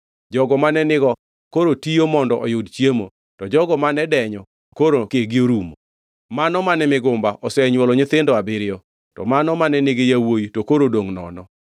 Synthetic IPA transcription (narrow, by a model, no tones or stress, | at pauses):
d͡ʒɔɡɔmanɛnɪɡɔ | koɾotijomɔndɔʔɔjʊdt͡ʃemo̰ | tɔd͡ʒɔɡɔmanɛdɛɲɔ | koɾokeɡɪoɾumo | manɔmanɛmɪɡʊmbaʔɔsɛɲwɔlɔɲɪt̪ɪndɔabɪɾɪɔ | tɔ̰manɔmanɛnɪɡɪjawojitokoɾodoŋnɔ̰nɔ